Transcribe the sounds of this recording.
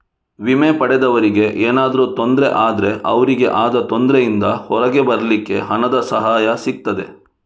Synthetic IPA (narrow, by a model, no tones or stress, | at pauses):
ʋimepɐɽɛd̪ɐʋɐɾiɡe̞ʔeːnaːd̪ɐɾut̪o̞nd̪ɾe̞ʔaːd̪ɐɾe̞ʔɐʋɐɾiɡe̞̰ʔaːd̪ɐt̪ond̪ɾejind̪ɐhɔɾɐɡe̞bɐɾɐlikːe̞̰ɦɐnɐd̪ɐsɐɦaːjɐsik̚t̪ɐd̪e